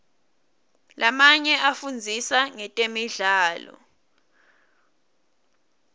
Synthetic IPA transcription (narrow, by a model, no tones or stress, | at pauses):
lʔamaɲɛʔafund͡zʱisaŋɛtʼemiɮaːlɔ̰